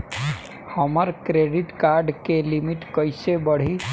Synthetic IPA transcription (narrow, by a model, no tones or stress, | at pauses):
həməɾkɾeːɖɪʈkaɾɖkelimɪʈkəɪsebəɽ̤i